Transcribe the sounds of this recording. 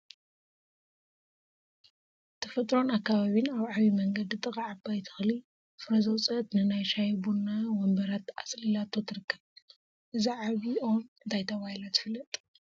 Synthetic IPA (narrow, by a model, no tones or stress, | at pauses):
t̪ʰɐfɐt̪ʼɾo̞nakːaβaβinaβʕaβimɐŋɡɐd̪ɨt̪ʼɨkʼaʕabajt̪ʰɨ̥xli | fɨɾɐzɐwt͡sʼɐt̪nɨnajʃajbunːawɔmbɐɾat̪a̰slɨlat̪ʰːot̪ʰɨɾɨkʰːɐβ | ʔɨziʕaβio̞nɨnt̪ʰajt̪ʰɐβahilat̪ʰɨ̥fɨlːɐt̪ʼ